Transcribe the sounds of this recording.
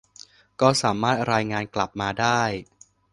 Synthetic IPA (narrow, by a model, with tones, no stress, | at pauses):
kɔː˥˩saː˩˦maː˥˩t̪̚ɾaː˧jŋaː˧nkla˨˩p̚maː˧daː˥˩j